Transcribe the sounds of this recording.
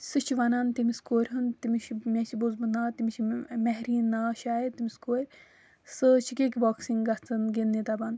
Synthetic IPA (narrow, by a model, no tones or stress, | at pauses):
sɨt͡ʃʰiʋɐnaːnt̪imiskoːɾʲɦɨnt̪imiʃmʲet͡ʃibozbɨnaːt̪imit͡ʃʰmɛɦɾiːnːaːʃaːet̪imiskoːɾʲ | sɨt͡ʃʰikekʲibɔːksiŋɡɐst͡s̪ɨnɡenːit̪abɐnd̪